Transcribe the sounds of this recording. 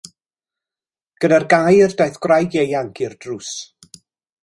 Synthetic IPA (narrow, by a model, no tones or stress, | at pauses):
ɡ̥ənarɡajrdajθɡ̥wrajdjejaŋkʰɪrdrus